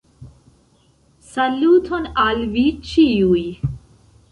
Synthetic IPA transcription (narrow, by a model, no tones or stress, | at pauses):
səlːuːt̪ʰonalʋit͡ɕʰijuj